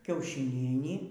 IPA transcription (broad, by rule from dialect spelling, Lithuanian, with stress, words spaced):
kʲɛʊʃʲɪˈnʲiɛnʲiː